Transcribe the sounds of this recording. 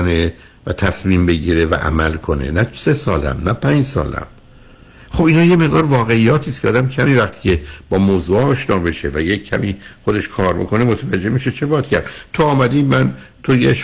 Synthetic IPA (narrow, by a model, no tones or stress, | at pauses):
ne | væ̰t̪ʰæsmiːmbe̞ɟiːɾevæ̰ʔæ̰mælkʰo̞nḛnæse̞sɒːlæ̰mnæpʰæːnd͡ʒsɒ̰ːlæ̰m | χo̞biːnɒːjeme̞ɣd̪ɒːɾvɒːɣe̞ijːɒːt̪ʰist̪kʰʲeɒːd̪æmcʰæmiːvæχt̪ʰi̥ːcʰe̞b̥ɒːmoːzuːɒːʃnɒːbe̞ʃevæjecʰːæmiːχod̪e̞ʃkʰɒːɾbo̞̰kʰo̞nemot̪ʰævæd͡ʒːe̞miʃet͡ʃʰe̞bɒːt̪cʰæɾd̪̥t̪ʰoɒːmæd̪iːmænt̪ʰojeʃ